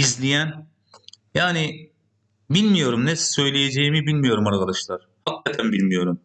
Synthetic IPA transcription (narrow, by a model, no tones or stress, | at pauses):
izlʲijæn | jaːnɪ | bilʲmijo̞ɾumnessø̞jlʲejed͡ʒejimibilʲmijo̞ɾumaɾkad̪aʃlˠaɾ̥hakʰːat̪ʰænbilʲmijo̞ɾum